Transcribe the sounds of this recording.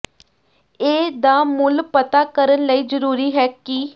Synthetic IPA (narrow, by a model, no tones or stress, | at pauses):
eːd̪aːmʊlpət̪aːkəɾənləiːzəɾuːɾiːɦɛːki